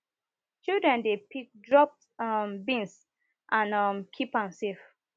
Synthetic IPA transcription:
t͡ʃildɹɛ̃ndepik̚dɹɔp̚ | ɔmbĩns | ʔãnʌmkʰipãnsef

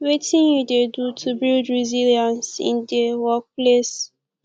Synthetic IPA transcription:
wetʰĩnjudedutʰubildɹiziliãnsḭndewɔk̚ples

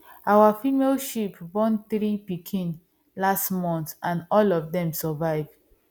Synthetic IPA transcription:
ʔawafimelʃipbɔ̃nθɹipikʰĩn | lastmɔ̃nθãnɔlɔfdɛ̃msɔvaɪvd

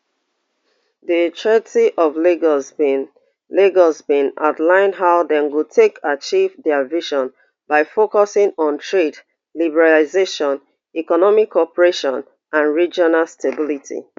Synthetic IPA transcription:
ðitʰɹɛtiʔɔvliɡ | leɡɔzbĩna̰ʊtlãɪ̃ndɦaʊðɛ̃nwutʰekʰat͡ʃivdɛəviʃɔ̃n | baɪfokɔsɪ̃ŋɔ̃ntʰɹed | libɛɹalizeʃɔ̃n | ikɔnɔmikʰːɔpəɹeʃɔ̃n | ʔãnɹid͡ʒɔnalstʰebilitʰḭ

